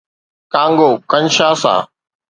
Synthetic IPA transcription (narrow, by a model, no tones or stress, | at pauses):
kãːŋɡoːkənʃaːsa̰ː